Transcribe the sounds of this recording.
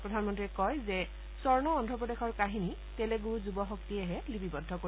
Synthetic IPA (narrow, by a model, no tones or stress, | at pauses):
pɹɔdʱanmɔntɹikɔjzɛ | sɔɹnɔːndʱɔpɹɔdexɔɹkaɦini | tɛlɛɡuɹzubɔxɔktiɛɦɛlibibɔdʱːɔko